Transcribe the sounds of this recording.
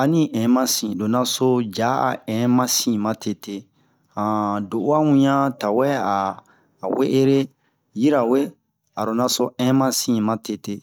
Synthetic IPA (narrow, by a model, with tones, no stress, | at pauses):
a˨nĩ˦ʔɛ̃˨˦mã˦sĩ˨do˨na˧so˦d͡ʒa˨˦a̰˨ɛ̃˨mã˦sĩ˦mã˦tʰe˨tʰe˦ | ã˨do˨ʔu˦a˦wũ˦ɲã˦ta˨wɛ˦aː˨ | we˦ʔe˦ɾe˦ | ji˦ɾa˨we˦ | a˨ɾo˨na˧so˦ɛ̃˦mã˦sĩ˦˨mã˦te˨te˦